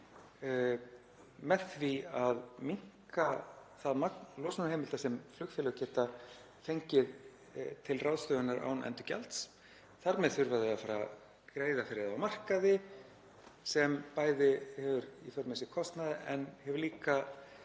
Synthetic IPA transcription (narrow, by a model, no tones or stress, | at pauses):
mɛðθviaðmiŋ̥kaθaðmaknlɔsnʏhejmɪl̥t̪asɛmflʏxfɪlɪɣcɛːt̪a | fejɲcɪð | t̪ʰɪlrawðst̪œɣʏnaɾa̰wnɛ̰nt̪ʏca̰lt̪s | θaɾmɛðθʏɾvaðɪaðfaːɾa | kɾeːjðafɪɾɪðawmar̥kaðɪ | sɛmpaːjðɪhɛvʏɾifœɾmɛs̬ɪkʰɔst̪naðɪɛnhɛvʏɾliːka